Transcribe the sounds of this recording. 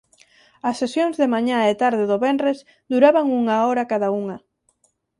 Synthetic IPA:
ɐsːesjoŋzðɪmaɲaet̪aɾðɪðoβɛnrez | d̪uɾaβaŋuŋaoɾɐkaðauŋɐ

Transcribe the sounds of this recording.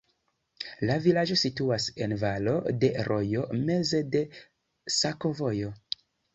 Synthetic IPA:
lavilad͡ʒo̞situase̞nvalo̞de̞ɾʔo̞jo̞me̞ze̞de̞ | sako̞vo̞jo̞

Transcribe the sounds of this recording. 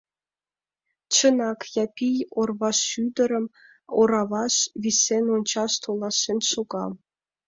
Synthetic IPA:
t͡ɕɤ̆nɑkjɑpʲijorβɑʃyd̪ə̆ɾə̆m | oɾɑβɑʃβʲisːenonʲt͡ɕɑʃt̪ʰolˠɑʃenʲʃoɡɑ̰l

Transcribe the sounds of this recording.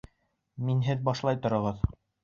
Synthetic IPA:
minɦɘðbɑʃlˠɑjt̪ŏɾɤ̆ʁɤð

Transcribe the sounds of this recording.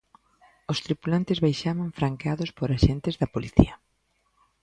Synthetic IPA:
ost̪ɾipulant̪ɪzβajʃaβaɱfɾaŋkeaðospoɾaʃent̪ɪzðɐpoliθḭɐ

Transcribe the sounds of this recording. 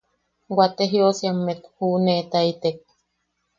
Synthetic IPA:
wat̪eɦiosiamːet̪huneʔt̪ait̪ek̚

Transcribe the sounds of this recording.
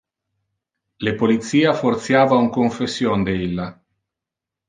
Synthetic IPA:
lepolit̪siːafort̪sjaːvauŋkoɱfesːjond̪eilːa

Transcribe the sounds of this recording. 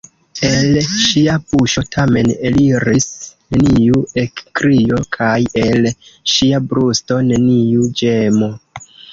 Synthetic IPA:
e̞lʃiapuʃo̞tʰame̞neliɾisne̞niuekːɾio̞kʰaje̞lʃiabɾusto̞ne̞niud͡ʒe̞mo̞

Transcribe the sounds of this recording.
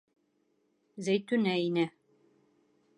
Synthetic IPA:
zæjt̪ʉnæinæ

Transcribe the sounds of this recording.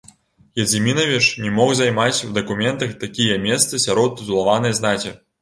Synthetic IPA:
jɐd͡zʲimʲinɐvʲit͡ʂnʲɛmɔxzajmat͡sʲwd̪ɐkumʲɛnt̪ɐxt̪akʲijɐmʲɛst̪sɐsʲaɾɔt̪̚ːuzulˠavanɐjznakʲi

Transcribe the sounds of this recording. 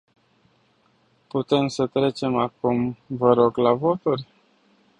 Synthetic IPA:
put̪e̞msət̪ɾe̞t͡ʃe̞makumvəɾo̞ɡlavo̞t̪uɾʲ

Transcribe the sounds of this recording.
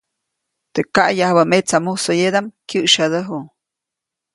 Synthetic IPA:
t̪ekaʔjahbamet͡samusojed̪amkʲɨʔʃad̪əɦu

